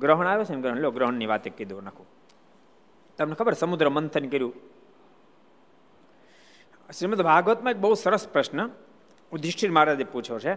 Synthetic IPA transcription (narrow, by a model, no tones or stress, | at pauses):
ɡɾəɦəɳ̃aːjot͡ʃʰenɡɾəɦɳloɡɾəɦəɳniʋaːt̪ekːid̪onɐkʰũ | t̪ɐmnekʰɐbəɾsɐmud̪ɾəmənt̪ʰənkɐɾjũ | ʃɾimət̪bʱaːɡʋət̪mãek̚bəɦut̪sɐɾəspɾɐʃnə | ũd̪ɾɪʃʈʰiɾmaːɾad̪iput͡ʃʰot͡ʃʰe